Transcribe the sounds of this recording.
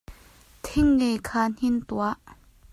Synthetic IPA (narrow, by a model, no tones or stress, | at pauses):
t̪ʰɪŋːekʰaːn̥int̪uaʔ